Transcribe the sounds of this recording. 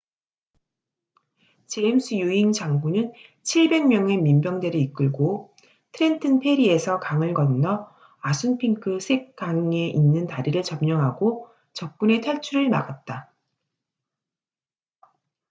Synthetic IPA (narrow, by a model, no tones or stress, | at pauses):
t͡ɕe̞ːms͈ʰɯjuiŋt͡ɕaŋbunɯnt͡ɕʰiɭbe̞ŋmjʌŋe̞mimbjʌŋde̞ɾɯik͈ɯɭɡo | tʰɯɾe̞ntʰɯnpʰe̞ɾie̞sʰʌkaŋɯɭɡʌnnʌ | asʰunpʰiŋkʰɯsʰek̚k͈aŋŋe̞ʔinːɯntaɾiɾɯɭt͡ɕʌmɲʌŋɦaɡo | t͡ɕʌp̚k͈une̞tʰaɭt͡ɕʰuɾɯɭma̰ɡat̚t͈a